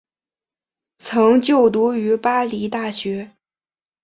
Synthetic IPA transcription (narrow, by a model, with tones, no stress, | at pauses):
t͡sʰɤ˧˥ŋt͡ɕjo˥˩ʊt̪u˧˥y˧˥pa˥li˧˥t̪a˥˩ɕɥɛ˧˥